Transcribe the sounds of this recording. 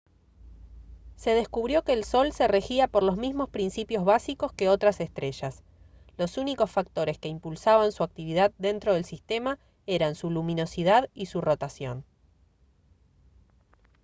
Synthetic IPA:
se̞ð̞e̞skuβɾjo̞keːlso̞lsere̞xiapo̞ɾlo̞zmizmo̞spɾinsipjo̞zβasiko̞ske̞o̞t̪ɾasest̪ɾe̞ʃas | lo̞suniko̞sfak̚t̪o̞ɾeske̞impulsaβansuak̚t̪iβ̞iðaðd̪e̞nt̪ɾo̞ðe̞lsist̪e̞ma | e̞ɾansulumĩno̞siðaðisuro̞t̪asjo̞̰n

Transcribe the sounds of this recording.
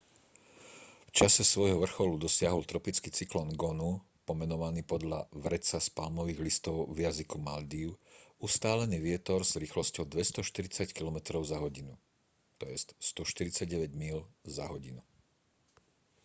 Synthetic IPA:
ft͡ʃasɛsʋɔjɦɔʋr̩xɔlud̪ɔsɪaɦɔlt̪ɾɔpit͡skit͡siklɔnɡɔnu | pɔmɛnɔʋaniːpɔd̪ʎaʋɾɛt͡saspalmɔʋiːɣlist̪ɔʊvjazikumald̪iːʊust̪aːlɛniːʋɪɛt̪ɔɾz̥ɾiːxlɔscɔʊd̪ʋɛst̪ɔʃt̪iɾit͡sackilɔmɛt̪ɾɔʊzaɦɔɟinu | t̪ɔjɛst̪st̪ɔʃt̪iɾit͡saɟɛʋɛɟmilza̰ɦɔɟinu

